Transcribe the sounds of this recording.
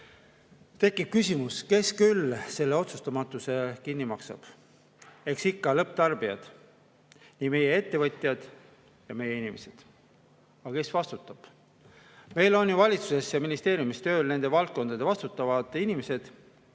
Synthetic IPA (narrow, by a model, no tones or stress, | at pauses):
t̪e̞kːˑib̥̚kysʲimuske̞skylse̞lːe̞o̞t̪sust̪ɑmɑt̪ːˑuse̞kinːimɑksɑ̰b̥ | e̞ksikːɑlɤpt̪ɑrb̥iɑd̪̥ | niːme̞jee̞t̪ːe̞vɤt̪ʲˑjɑd̪̥ | jɑme̞jeinimese̞d̪̥ | ɑɑke̞svɑst̪ut̪ːˑɑb̥ | me̞jlo̞njuvɑlʲit̪su̥se̞sjɑminist̪e̞ːɾjumist̪øːlne̞nd̪e̞vɑlt̪̚ko̞nd̪ɑd̪̥e̞vɑst̪ut̪ːˑɑvɑd̪ˑinime̞se̞d̪̥